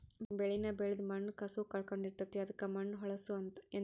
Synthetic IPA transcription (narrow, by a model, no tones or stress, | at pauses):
bɛɭinɐbeɭud̪mɐnːkɐsukɐɭkoɳɖiɾt̪ɐt̪ːiɐd̪ɐkːɐmɐnːɦɔɭɐsuɐnt̪ɐ̥en